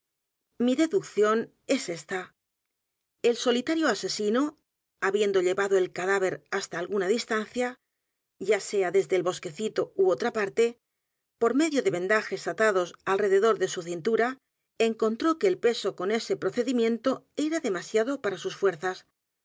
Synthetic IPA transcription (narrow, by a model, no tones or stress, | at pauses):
miðe̞ðukθjo̞n | e̞se̞st̪a | e̞lsolit̪aɾjo̞ase̞sino̞ | aβje̞nd̪o̞ʎe̞βaðo̞e̞lkaðaβ̞e̞ɾast̪aːlɣunaðist̪an̟θja | ʝase̞aðe̞zðe̞lβo̞ske̞θit̪o̞uo̞t̪ɾapaɾt̪e̞ | po̞ɾme̞ðjo̞ðe̞βẽ̞nd̪axe̞sat̪aðo̞salre̞ðeðo̞ɾðe̞suθint̪uɾa | e̞ŋko̞nt̪ɾo̞keːlpe̞so̞ko̞ne̞se̞pɾo̞θe̞ðimjẽ̞nt̪o̞e̞ɾaðe̞masjaðo̞paɾasusfwe̞ɾθas